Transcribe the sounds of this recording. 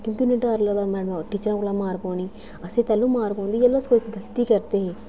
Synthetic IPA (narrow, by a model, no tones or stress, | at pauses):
kɐmpjuːneʈaːɾɐlod̪amaːɽɐmʈit͡ʃnakulaːmaːɾupoːni | ɐset̪ɐlːumaːɾupoːnd̪iɛlːoskokɐɡɐt̪t̪ːikɐɾit̪eː